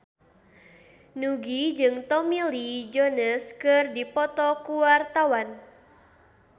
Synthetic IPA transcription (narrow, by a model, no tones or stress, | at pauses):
nuɡid͡ʒɨŋt̪ɔmilid͡ʒonəskɨrdipɔt̪ɔkuwart̪awan